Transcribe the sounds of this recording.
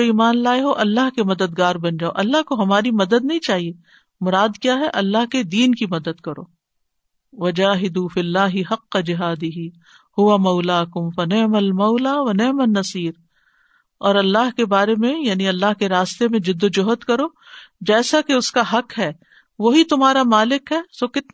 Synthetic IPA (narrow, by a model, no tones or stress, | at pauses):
oiːmaːnlaːeɦoʔɐlːaɦkemɐd̪əd̪ɡaːɾbɐ̃nd͡ʒaːo̰ʔɐlːaɦkoɦɐmaːɾimɐd̪əd̪̚nɐɦĩt͡ʃaːɦie | mʊɾaːd̪kjaːɦɛʔɐlːaɦked̪iːnkimɐd̪əd̪kɐɾo̰ː | ʋɐd͡ʒaːɦɪd̪uːfilːaːɦɪɦɐqːɐd͡ʒɪɦaːd̪ɪɦi | hʊʋamɐʊlaːkʊmfɐnɪʕmɐlmɐːlaːʋɐnɪʕmɐnːɐsiːɾ | ɔːɾɐlːaɦkebaːɾemẽjaːniɐlːaɦkeɾaːst̪emẽd͡ʒɪd̪ːod͡ʒʊɦət̪kɐɾoː | d͡ʒɛːsakeʊskaɦɐqɦɛː | ʋoɦit̪ʊmɦaːɾamaːlɪkɦɛːsokɪt̪